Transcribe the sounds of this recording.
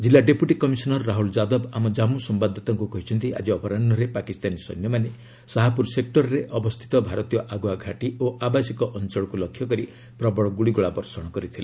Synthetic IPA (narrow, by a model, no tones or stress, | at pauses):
d͡ʒilːaɖepjuʈikɔmisɔnɔɾːaɦuld͡ʒad̪ɔbamɔd͡ʒamusɔmbad̪ʱːɔt̪ɔŋkukɔɦit͡ʃʰɔnt̪iʔa̰d͡ʒiɔpɔɾanːɔɾepakist̪anisɔ̰jnjɔmane | saɦapuɾsek̚ʈɔɾɔɾeʔɔbɔst̪ʰi̥t̪ɔbʱaɾɔt̪ijɔʔaɡuaɡʱaʈioʔabasikɔʔɔnt͡ʃɔɭɔkulɔkʰːjɔkɔɾi | pɾɔbɔɭɔɡuɽiɡuɭabɔɾsɔɽ̃ɔkɔɾit̪ʰile